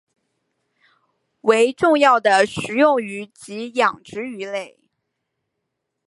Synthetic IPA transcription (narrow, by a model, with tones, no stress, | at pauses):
we˧˥ɪʈ͡ʂʊ˥˧ŋjɑ˥˩ʊd̪ə˩ʂɻ̩˧˥jʊ˥˩ŋy˧˥t͡ɕi˧˥jɑ˨˩ŋʈ͡ʂɻ̩˧˥y˧˥le˥˩ɪ